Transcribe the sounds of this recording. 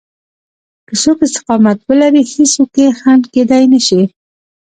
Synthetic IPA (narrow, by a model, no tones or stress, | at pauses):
kəsokɪst̪ɪ̥qɑmat̪̚bəlaɾiheswəkexand̪ked̪ajnaʃi